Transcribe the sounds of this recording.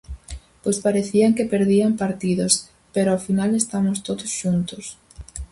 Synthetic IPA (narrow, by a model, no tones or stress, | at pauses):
pojspaɾeθiaŋkepeɾðiampaɾt̪iðos | peɾoafinalest̪amost̪oðosʃunt̪os